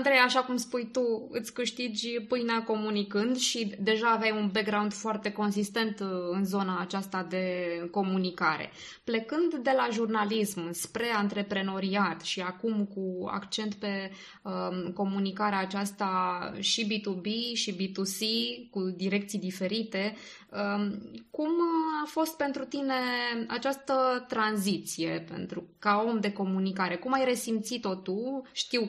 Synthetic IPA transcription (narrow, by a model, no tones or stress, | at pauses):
nd̪ɾejaʃakumspujt̪uɨ̰t̪sʲkɨʃt̪id͡ʒʲpɨjnako̞munikɨnd̪ʃid̪e̞ʒaːvejunbek̚ɡɾaund̪foart̪e̞ko̞nsist̪e̞nt̪ɨnzo̞naːt͡ʃast̪ad̪e̞ko̞munikaɾe̞̰ | ple̞kɨnd̪ːe̞laʒurnalismɨspɾe̞ant̪ɾe̞pɾe̞no̞ɾiat̪ʃiakumkua̰kt͡ʃe̞nt̪pe̞ | əko̞munikaɾeaːt͡ʃast̪aʃibit̪ubiʃibit̪usikud̪iɾe̞kt̪sijd̪ife̞ɾit̪e̞ | əkumafo̞st̪̚pe̞nt̪ɾut̪ine̞a̰t͡ʃast̪ət̪ɾanzit̪sije̞pe̞̰nt̪ɾukao̞md̪e̞ko̞munikaɾe̞kumajɾe̞simt̪sit̪o̞t̪uʃt̪iw